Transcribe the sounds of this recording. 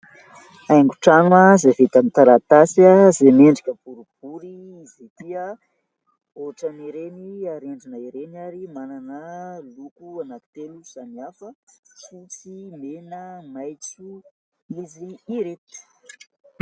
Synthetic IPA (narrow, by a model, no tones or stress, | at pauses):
ajŋɡuʈ͡ʂanuazevet̪amit̪aɾat̪asazemeɳɖ͡ʐikʲəb̥uɾub̥uɾi | izet̪iə | oʈ͡ʂaniɾeniaɾeɳɖ͡ʐinəiɾenaɾimananəlukuanaki̥t̪eluz̥aniafəfut͡simenəmajt͡su | iziiɾet̪u̥